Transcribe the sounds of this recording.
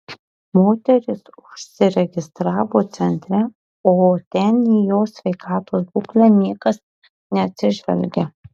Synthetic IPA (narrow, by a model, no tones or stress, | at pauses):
moːt̪ʲɛɾʲɪsʊʃsʲɪɾʲɛɡʲɪst̪ɾɑːʋoːt̪sʲɛnʲt̪ʲɾʲɛ | oːt̪ʲɛniːjoːsʲʋʲɛɪkɑːt̪oːsbuːklʲɛnʲiɛkɐs | nʲɛɐt̪ʲsʲɪʒʲʋʲɛ̰lʲɡʲɛ